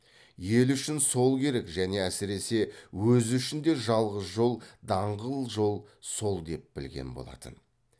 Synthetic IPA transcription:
je̞lʏʃɪnso̞lˠkʲʰe̞ɾe̞kʒæne̞æsɪɾe̞se̞wɵzʏʃɪnd̪e̞ʒɑlˠʁəsʒo̞lˠd̪ɑɴʁəlˠʒo̞lˠso̞lˠd̪e̞p̚b̥ɪlɡʲe̞̰nbo̞̰lˠɑ̰t̪ə̰n

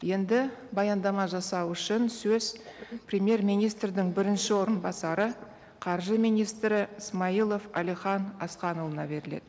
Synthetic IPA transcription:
je̞nd̪ɪbɑjɑnd̪ɑmɑʒɑsɑwʏʃɪnsɵz̥prʲemje̞rmijnijst̪rd̪ɪŋbɪɾɪnʃɪwo̞ɾənbɑsɑɾə | qʰɑɾʒəmijnijst̪ɾɪəsmɑijlˠo̞fɑ̰lijχɑnɑ̰sqɑnəlˠənɑ̰be̞ɾɪle̞̰d̪ɪ

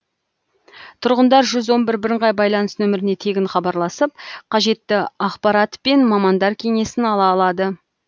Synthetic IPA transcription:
t̪ʰʊɾʁənd̪ɑɾʒʏzwo̞nbɪɾbɪɾəɴʁɑjbɑjlˠɑnəsnɵmɪɾɪne̞t̪ʰe̞ɡʲɪɴχɑbɑɾlˠɑsəp̚qʰɑʒe̞t̪ːɪɑqpɑɾɑt̪pe̞nmɑmɑnd̪ɑɾkʲʰe̞ŋe̞sɪnɑlˠɑːlˠɑd̪ə

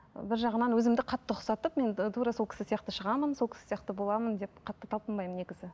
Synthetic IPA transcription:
bɪɾʒɑʁənɑnwɵzɪmd̪ɪqʰɑt̪ːəqʰʊ̥sɑt̪əpme̞nt̪ʰuɾɑso̞lˠkʲɪ̥sɪsijɑqt̪əʃəʁɑmənso̞lkʰʲɪ̥ɪ̥sijɑqt̪əbo̞lˠɑmənd̪e̞p̚qʰɑt̪ːət̪ʰɑlˠpənbɑjməne̞ɡʲɪzɪ

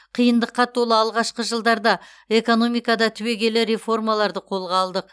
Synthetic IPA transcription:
qʰijənd̪əqːɑt̪ʰolˠəɑlˠʁɑʃqəʒəlˠd̪ɑɾd̪ɑ | e̞ko̞no̞mijkɑd̪ɑt̪ʰʏwe̞ɡʲe̞lɪɾe̞fo̞rmɑlˠɑɾd̪əqʰo̞lˠʁɑːlˠd̪əq̚

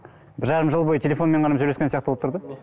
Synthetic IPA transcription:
bɪɾʒɑɾəmʒəlˠbo̞jət̪ʰʲelʲe̞fo̞nme̞ɴqʰɑnɑmʒɵɾeskʲensijɑqt̪əboəpt̪ʰʊɾd̪ə

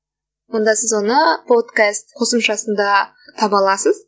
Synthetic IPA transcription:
wo̞nd̪ɑsɪzwo̞nəpʰot̪kast̪qʰo̞səmʃɑsənd̪ɑ | t̪ʰɑbɑlˠɑsəz

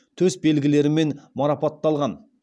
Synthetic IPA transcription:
t̪ʰɵzbe̞lɡʲɪle̞ɾɪme̞nmɑɾɑpɑt̪ːɑlˠʁɑn

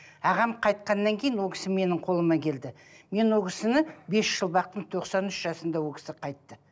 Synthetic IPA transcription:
ɑʁɑmqʰɑjt̪̚qɑnːɑŋkʲʰejɪnwo̞lkʰʲɪ̥sɪme̞nɪɴqʰo̞lˠəmɑkʲʰe̞ld̪ɪ | me̞nwo̞kʰʲɪsɪnɪbe̞sʒəlˠbɑq̚t̪əɴt̪ʰo̞qsɑnʏʃʒɑsənd̪ɑwolˠkʲɪ̥sɪqʰɑjt̪ːə

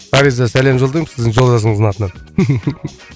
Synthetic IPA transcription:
ɑɾizɑsæle̞mʒold̪əjmsɪzd̪ɪŋʒo̞ld̪ɑs̬əɴəzɑt̪ənə

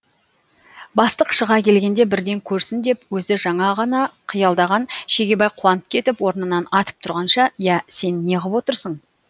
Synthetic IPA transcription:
bɑst̪əqʃəʁɑkʲʰe̞lɡʲe̞nd̪e̞bɪɾd̪e̞ŋkʲʰɵɾsɪnd̪e̞pwɵzɪʒɑɴɑʁɑnɑqʰijɑlˠd̪ɑʁɑnʃe̞ɡʲe̞bɑjqʰuwɑnəp̚kʲʰe̞t̪ɪpwo̞ɾnənɑnɑt̪ə̥p̚t̪ʰʊɾʁɑnʃɑjæse̞nːe̞ʁəpwo̞t̪əɾsəɴ

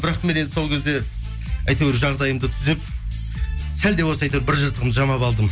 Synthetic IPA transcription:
bɪɾɑqme̞ned̪ɪso̞lˠkʲʰe̞zd̪e̞ | æjt̪eweɾʒɑʁd̪ɑjəmd̪ət̪ʰʏzep̚ | sæld̪ewosɑjt̪ɑbɪɾʒəɾt̪ʰəʁəmzʒɑmɑpɑlˠd̪əm

